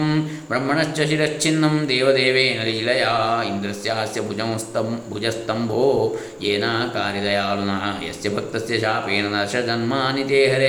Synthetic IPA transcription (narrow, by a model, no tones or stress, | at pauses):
m | bɾɐmːɐɳɐʃt͡ʃɐʃiɾɐkt͡ʃʰinːɐmd̪eːʋɐd̪eːʋeːnɐliilɐjaːind̪ɾɐsjaːsjɐbʱud͡ʒɐmst̪ɐbʱud͡ʒɐst̪ɐmbʱoː | jeːnaːɦɐkaːɾjɐlɐjaːlunɐɦɐjɐ̰sjɐbʱɐk̚t̪ɐsjɐʃaːpeːnɐnɐɾʃɐd͡ʒɐnmaːnit̪eːɦɐɾe